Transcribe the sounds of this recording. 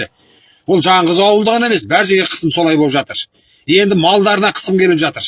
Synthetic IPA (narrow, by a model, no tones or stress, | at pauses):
ɪ | wolˠʒɑɴʁəzɑwəlˠd̪əʁəne̞me̞sbæɾʒeɡʲe̞qʰə̥səmso̞lˠɑjbolˠpʒɑt̪əɾ | je̞nd̪ɪmɑlˠd̪ɑɾənɑqʰə̥səmkʲʰe̞lɪpʒɑt̪əɾ